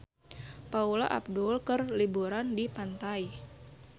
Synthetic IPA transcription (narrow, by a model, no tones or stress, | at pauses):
paula̰ʔa̰b̚dulkərlibuɾandipant̪ai